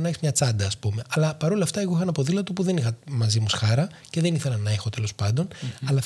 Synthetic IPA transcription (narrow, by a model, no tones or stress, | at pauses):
nɐçizmɲɐt͡sɐd̪ɐːspume̞ʔɐlɐpɐɾo̞lɐːft̪ɐeɣoixɐnɐpo̞ðilɐt̪upuðe̞nixɐmɐzimusxɐɾɐce̞ðe̞niθe̞lɐnːɐexo̞t̪e̞lo̞spɐnd̪o̞nɐlɐ